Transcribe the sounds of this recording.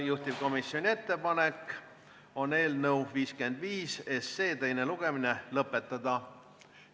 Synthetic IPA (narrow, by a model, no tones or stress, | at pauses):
juht̪ib̥̚ko̞misːo̞nʲie̞t̪ːe̞pɑne̞k | o̞ne̞ːlnəwviːske̞nd̪viːse̞seːt̪e̞jne̞luɡ̥e̞mine̞lɤpːˑe̞t̪ːˑɑd̪̥ɑ